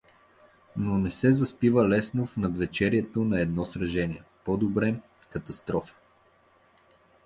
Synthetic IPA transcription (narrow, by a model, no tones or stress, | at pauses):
nonɛsɛzɐspivəlɛsnofnɐd̪vɛt͡ʃɛɾiɛt̪onɐɛd̪nɔsɾɐʒɛniɛpod̪obɾɛm | kɐt̪ɐst̪ɾɔfə̥